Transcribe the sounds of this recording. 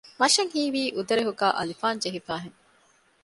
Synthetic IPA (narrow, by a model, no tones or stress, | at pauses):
mɐʃɐŋhiːʋiːʔud̪ɐɾeɦuɡaːʔɐ̰lifaːnd͡ʒeɦifæːɦeŋ